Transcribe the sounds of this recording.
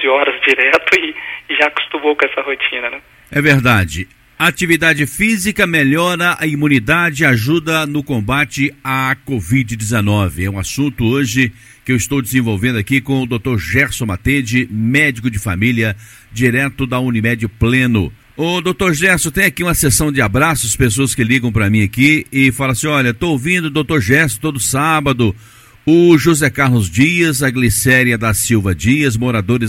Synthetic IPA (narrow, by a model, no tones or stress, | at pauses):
zɪɔɾɐzd͡ʒiɾɛt̪ʊɪɪʒakʊ̥st̪ũmowkɛsɐhot͡ʃĩnɐnɛ | ɛveɾd̪ad͡ʒɪ | ɐat͡ʃivid̪ad͡ʒɪfizikɐmeʎɔɾɐʔɐimũnid̪ad͡ʒɪaʒud̪ɐnʊkõmbat͡ʃɪakovid͡ʒɪd͡ʒɪzenɔvɪɛũasũnt̪ʊoʒɪ | kɪewɪst̪owd͡ʒɪzẽvowvẽnd̪ʊakikõʊd̪owt̪oɾʒɛɾsõmat̪ed͡ʒɪmɛd͡ʒɪkʊd͡ʒɪfamiljɐ | d͡ʒiɾɛt̪ʊd̪ɐũnimɛd͡ʒɐplẽnʊ | ʊd̪owt̪oɾʒɛɾsʊ̃t̪ẽj̃akiũmɐsesɐ̃w̃d͡ʒɪabɾasʊspesoɐskɪliɡɐ̃w̃pɾɐmĩakiɪfalɐsĩɔʎɐt̪oowvĩnd̪ʊd̪owt̪oɾʒɛɾsʊ̥t̪od̪ʊsabɐd̪ʊ | ʊʒuzɛkaɾlʊzd͡ʒiɐzɐɡlisɛɾjɐd̪ɐsiwvɐd͡ʒiɐzmoɾad̪oɾɪ